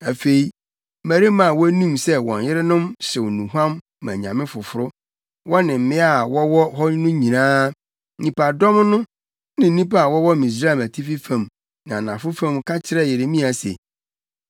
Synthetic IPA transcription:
æ˨fe˨i˨ | mæ˨ɾi˦mã˨wɔ˦nũ˦msɛ˦wɔ̰̃˨njɪ˦ɾɪ˦nʊ̃˦msɪ˨wnũ˨ɦã˦m | mã̰˨ɲã̰˨mɪ̃˦fʊ˨fʊ˦ɾʊ˦ | wɔ˦nɪ̃˨m̩˦˨mɪ̃˦a˦˨wɔ˦wɔ˦ɦɔ˦nʊ̃˦ɲĩ˨nãː˦ | ɲĩ˨pa˨dɔ̃˦mnʊ̃˦ | nɪ̃˨n̩˦nĩ˦pa˦a˨wɔ˦wɔ˦mĩ˨s̬ɾa˦˨mæ˨tʰi˦fi˦fã˨m | nã˨nã˨fʊ˦fã˦˨mkʰa˦t͡ɕʰɪ˦ɾɛ˦˨jɪ˨ɾɪ˨mĩ˦a˨sḛ˨

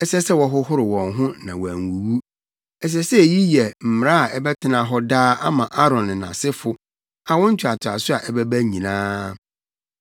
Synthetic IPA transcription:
ɛ˦sɛ˦sɛ˦wɔ˦ɦʊ˦hʊ˦ɾɪ˨wɔ̃˨ŋɦʊ̃˦nã˨wæ˨ŋ˨wu˨wu˦ | ɛ˨s̬ɛ˦sɛ˦˨ji˦jɛ˨m̩˨m˨ɾã˦a˨ɛ˦bɛ˦tʰɪ˦nã˨ɦɔ˦daː˦ʔa˦mã˨ʔa˦ɾɔ̃˨n˨nã̰˨sɪ˦fʊ˨ | a˨wʊ̃˦ɲ̩˦t͡ɕʰᶣa˨tʰa̰˨sʊ˦a˨ʔɛ˦bɛ˦bæ˦ɲĩ˨nãː˦

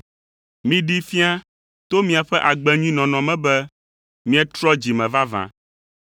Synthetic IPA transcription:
mĩ˨ɖi˦fi˦a˦ | t̪o˦mĩ˨a˨ɸɛ˦ʔa˨ɡ͡bɛ˨ɲĩ˦nɔ̃˨nɔ̃˨mɛ̃˦bɛ˦ | mĩ˦ɛ˦t̪ɾɔ˦d͡ʑi˨mɛ̃˨va˦vã̰˨

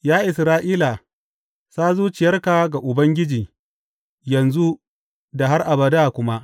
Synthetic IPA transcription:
jaː˦ʔɪ˨sɾaː˦ʔiː˦la˨ | saː˦zuː˦t͡ʃɪ˨jɐ˦rka˨ɡa˨ʔʊ˨bɐ˦ŋɡʲɪ˦d͡ʒiː˨ | jɐ˨nzu˦ | da˨ɦa˦rʔa˨bɐ˨daː˦˨kʷʊ˦ma˦

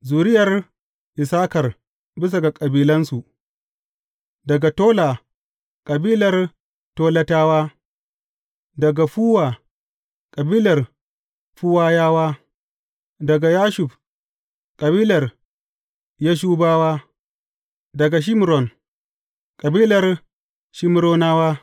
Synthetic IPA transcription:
zuː˨ɾɪ˦jɐ˨r | ʔɪ˨saː˦kɐ˨r | bɪ˦s̬a˨ɡa˨kʼɐ˨biː˦lɐ˦nsu˨ʔ | dɐ˨ɡa˨toː˦la˨ | kʼɐ˨biː˦lɐ˨r | toː˦lɐ˦taː˦waː˦ | dɐ˨ɡa˨ɸuː˦waː˨ | kʼɐ˨biː˦lɐ˨r | ɸu˦waː˦jaː˦waː˦ | dɐ˨ɡa˨jaː˦ʃʊ˨ɸ | kʼɐ˨biː˦lɐ˨r | ja˦ʃ̬uː˦baː˦waː˦ | dɐ˨ɡa˨ʃ̬ɪ˦m˨ɾɔ˨n | kʼɐ˨biː˦lɐ˨r | ʃɪ˦m˦ɾoː˦naː˦waː˦

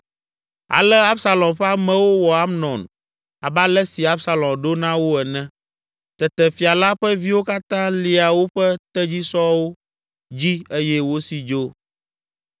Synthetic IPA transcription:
a̰˨lɛ˦a˦bsa˦lɔ̃˨mɸɛ˦a˦mɛ̃˨wo˦wɔ˨a˦mnɔ̃˨n | a˨ba˦lɛ˦si˨a˦bsa˦lɔ̃˨mɖo˦nã˦wo˦ɛ˨nɛ̃˦ | t̪ɛ˨t̪ɛ˨fi˨a˨la˦ɸɛ˦vi˦wo˦ka˦t̪ã˦li˨a˨wo˦ɸɛ˦t̪ɛ˦d͡ʑi˦sɔ˦wo˦ | d͡ʑi˦e˦jɛ˦wo˦si˨d͡ʒo˦

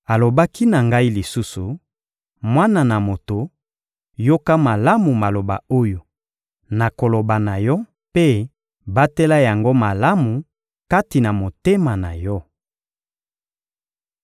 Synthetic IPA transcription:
a˨lo˨ba˦ki˦na˨ŋɡa˦i˦li˨su˦su˨ | mwa˦na˨na˨mo˨to˨ | jo˦ka˦ma˨la˦mu˨ma˨lo˨ba̰˨o˦jo˨ | na˨ko˨lo˨ba˨na˨jɔ˦ | pe˦ | ba˦tɛ˦la˦ja˨ŋɡo˦ma˨la˦mu˨ | ka˦ti˨na˨mo˨te˦ma˨na̰˨jɔ˦

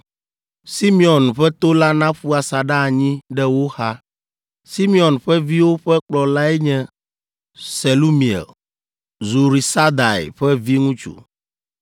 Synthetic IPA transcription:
si˦mi˦ɔ˨nɸɛ˦t̪o˦la˦nã˦ɸu˦a˨sa˨ɖa˦˨ɲĩ˦ɖɛ˦wo˦xa˦ | si˦mĩ˦ɔ˨nɸɛ˦vi˦wo˦ɸɛ˦k͡plɔ˨la˦ɛ˦ɲɛ̃˦ | se˨lu˦mĩ˨ḛ˨l | zu˨ɾi˨sa˦d̪a˨ḛ˨ɸɛ˦vi˦ŋũ˦t͡ʃṵ˨

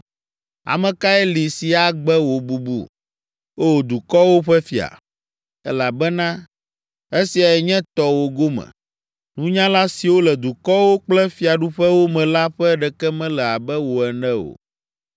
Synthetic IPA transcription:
a̰˨mɛ̃˨ka˦ɛ˦li˨si˨a˨ɡ͡bɛ˦wo˨bu˦bṵ˦ | o˦˨d̪u˨kɔ˦wo˦ɸɛ˦fi˨a̰˨ | ɛ˦la˨bɛ˦nã˦ | e˦si˨a˨ɛ˨ɲɛ̃˦t̪ɔ˨wo˨ɡo˦mɛ̰̃˨ | nũ˦ɲã˦la˦si˨wo˦lɛ˨d̪u˨kɔ˦wo˦k͡plɛ˦fi˦a˨ɖu˦ɸɛ˦wo˦mɛ̃˨la˦ɸɛ˦ɖɛ˨kɛ˦mɛ̃˦lɛ˨a˨bɛ˦wo˨ɛ˨nɛ̃˦o̰˨

